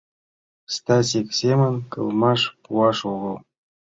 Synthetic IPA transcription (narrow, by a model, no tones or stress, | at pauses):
st̪ɑsʲiksʲemənkɤ̰lˠmɑʃpuɑʃuʁɤ̆lˠ